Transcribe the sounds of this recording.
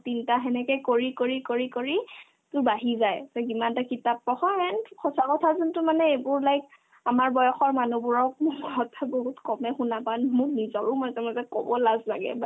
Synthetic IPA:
tintaɦɛnɛkɛjkoɹikoɹikoɹikoɹi | tʊɹbaɦizajtɔkimantakitap̚ːɔxɔɛnxʰɔsakɔtʰazuntʊmanɛejbʊɹlajk̚ | amaɹbɔjɔxɔɹmanubuɹɔk̚mʊɔɦɔtʰaboɦutkɔmɛxunapanmʊknizɔɹumazɛmazɛkɔ̰bɔlazlaɡɛ̰ba

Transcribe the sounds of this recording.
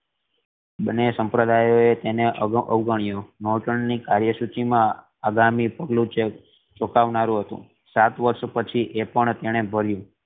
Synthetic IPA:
bənːesəmpɾəd̪ajoet̪eneʔəʋɡəɳ̃ijonoʈəɳnikaɾjəsut͡ʃimã | aɡamipəɡlũt͡ʃe | t͡ʃokaʋnaɾũɦət̪ṵ̃ | sat̪ʋəɾʃpət͡ʃʰiʔepəɳt̪eɽ̃ebʱəɾjũ

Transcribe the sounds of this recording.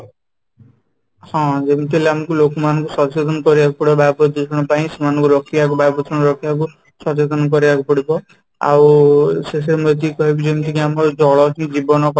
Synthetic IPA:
hɔ̃d͡ʒemit̪ʰileamakulokmanɔkusɔt͡ʃed̪ʱɔnkɔɾibakupɔɽibbajbɔd̪ekʰɽ̃ɔpaĩsimanɔ̃ŋkuɾɔkʰiak̬ubajbɔt̪ʰɔɽ̃ɔɾɔkʰijak̬u | sɔt͡ʃed̪ɔnkɔɾibakupɔɽibɔ | a̰wses̬eɾemɔt̪ikɔɦebʰid͡ʒemit̪ʰikiamɔɾd͡ʒɔɭɔtʰĩd͡ʒibɔnɔkɔ

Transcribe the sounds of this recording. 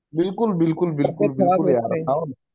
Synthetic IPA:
bɪlkʊlbɪlkʊlbɪlkʊlbɪlkʊljaːɾɦawn

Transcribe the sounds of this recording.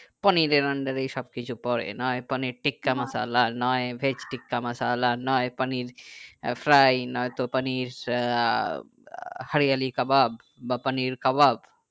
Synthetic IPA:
paniɾeɾaɳɖaɾejʃɔb̚kit͡ɕʰupɔɾḛnɔepaniɾʈikːamasa̰lanɔebʱet͡ɕʈikːamasalanɔepaniɾfɾajnɔjt̪opaniɾ | haɾijalikababː | apaniɾkabab

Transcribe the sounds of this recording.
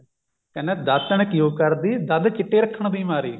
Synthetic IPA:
kəneːd̪ət̪ːəɳkjũːkəɾd̪iːd̪əd̪kɪʈːeːɾəkʰːəɳb̪iːmaːɾḭː

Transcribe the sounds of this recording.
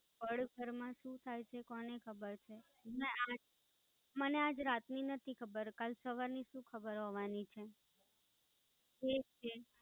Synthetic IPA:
pəɽbʱəɾmãʃũt̪ʰajt͡ʃʰekɔnekʰəbəɾt͡ʃʰe | nea | mənead͡ʒɾat̪ninət̪ʰikʰəbəɾkalsəʋaɾniʃũkʰəbəɾɦɔʋanit͡ʃʰe | et͡ʃʰe

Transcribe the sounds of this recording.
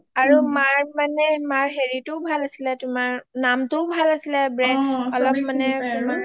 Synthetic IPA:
aɹumaɹmanɛmaɹɦeɹitʊbʱalasilɛtʊmaɹnamtʊʊbʱalasilɛbɹɛɔlɔp̚manɛma

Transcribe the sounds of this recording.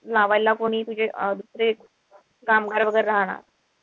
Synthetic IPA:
laʋajlːakoɽ̃iːt̪ud͡ʑʱed̪usɾe | kamɡaɾʋəɡəɾɾaɦɽ̃a̰ɾ

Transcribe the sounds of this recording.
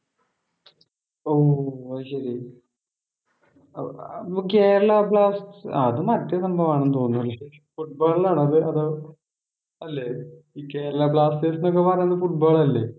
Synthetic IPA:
oːɕɐɾi | keːɾɐɭɐbɭaːstɐðɨmɐtːjɐsɐmbʱɐʋaːɳenːɨt̪oːnːuɐlːɐɐɾi | fuʈ̚baːɭilaːɳɨɐðɨɐðoː | ɐlːe | iːke̞ːɾɐɭɐbɭaːsʈeːsinok̬ːepɐrɐjnːɐðɨfuʈ̚baːɭɐlːe

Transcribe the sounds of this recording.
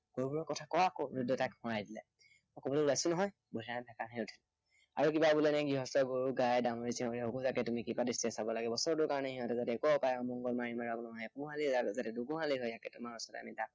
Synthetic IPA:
ɡ̥oɹubuɹɔkɔtʰakɔwakɔɹudːɔtakhɔɹajdila̰ | ɔkɔbɔlɔulajsʊnɔɦɔj | bɔlʱanakanɦɛʊtʰila | a̰ɹukibabulɛnajɡiɦɔstɔɡoɹuɡajdamɔɹisiɔlɛokɔzakɛtumikipadistɛsabɔlaɡɛbɔsɔɹɔtʊɹkaɹɔnɛɦiɦɔ̃tɛzatɛkɔɔpajɔmɔŋɡɔlmaɹimaɹɔɡlɔmajɛpuɦaliazatɛduɡuɦaliɦɔjzakɛtʊmaɔsɔta̰midak̚

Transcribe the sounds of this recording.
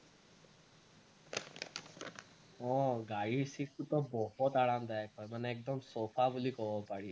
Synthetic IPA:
ɔɡaːɽisikʰut̪ɔbɔɦɔt̪aːɽamd̪aekɔjmənɛːk̚d̪əmsoːfʰabulikɔʋɔpaɽi

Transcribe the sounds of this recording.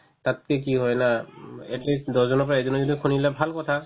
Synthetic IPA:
tat̚kɛk̬iɦɔjnaɛtlisdɔzɔnɔpɔɹaɛzɔnɔzɔdikʰunilɛbʱalkɔtʰa

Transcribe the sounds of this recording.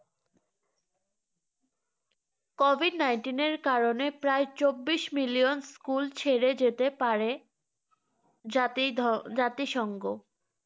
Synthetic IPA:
kɔbʱiɖnajnʈineɾkaɾonepɾaet͡ɕobːiʃmilijonskult͡ɕʰeɾed͡ʑet̪epaɾe | t̪id͡ʑat̪iʃɔŋɡo

